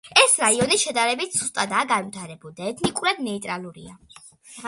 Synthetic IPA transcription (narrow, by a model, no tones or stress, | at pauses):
ɛsɾaiɔniʃɛd̪aɾɛbit̪ʰz̥ust̪ʼad̪aɡanmt̪ʰaɾɛbulˠd̪aɛt̪ʰnikʼuɾad̪nɛit̪ʼɾalˠuɾḭa